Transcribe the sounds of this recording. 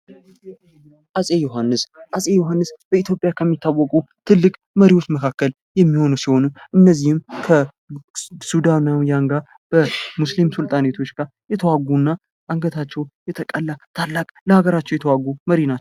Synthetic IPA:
ʔasʼejoɦanːɨsʔasʼejoɦanːɨsb̥əit̪ʰjo̞pʼjakʰəmːit̪ʰːawːɔkʼut̪ʰɨlːɨkʼ | məɾiwot͡ʃːməkʰakːəl | jɛmːiho̞nusiho̞nuʔɨnːəzːihɨmkʰə | sud̪anawjaŋɡa | b̥əmuslimsɨlt̪ʼanet̪ʰo̞t͡ʃːɡaɾjɛt̪ʰəwaɡunːa | aŋɡət̪ʰat͡ʃːɛwjɛt̪ʰəkʼəlːat̪ʰalːakʼləhaɡəɾat͡ʃːɛwjɛt̪ʰəwaɡːuməɾinaː

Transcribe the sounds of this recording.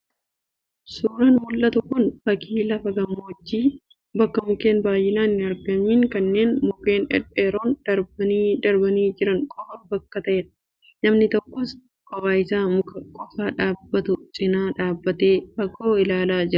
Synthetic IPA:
suːɾɐnmʊlʔɐt̪ʊkʊnfɐkiːlɐfɐɡɐmoɔd͡ʒːiː | bɐkːɐmʊke̞ːnbaːjːɪnaːnːɪɐɾɡɐmiːŋkɐnːe̞ːnmʊke̞ːnɛ̰ᶑeːɾoːnd̪̥ɐɾbɐd̪ɐɾbɐniːd͡ʒɪɾɐŋkʼɔfɐnbɐkːɐt̪ɐʔeᶑɐ | nɐmnɪt̪ɔkːɔs | kʼɐwaːjɪsaːmʊkɐkʼɔfaːᶑaːbːɐt̪ʊt͡ʃʼɪnaːᶑaːbːɐt̪eːfɐɡoːɪlaːlaːd͡ʒɪɾɐ

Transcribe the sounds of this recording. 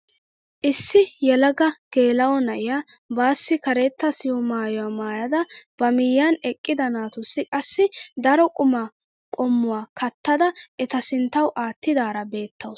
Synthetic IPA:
ʔɪsːɪjɛlɐɡɐɡ̥e̞ːlɐwɔnɐʔɪjabaːsːɪkɐɾeːt̪ːɐsɪwɔmaːjɔwamaːjɐd̪ɐb̥ɐmɪjːanɛkʼːɪd̪ɐnaːt̪ʊsːɪkʼɐsːɪd̪ɐɾɔkʼʊmɐ | kʼɔmːʊwaːkʰɐt̪ːɐd̪ɐʔɛt̪ɐsɪnt̪ːɐwʔaːt̪ːɪd̪aːɾɐbe̞ːt̪ʰːɐw

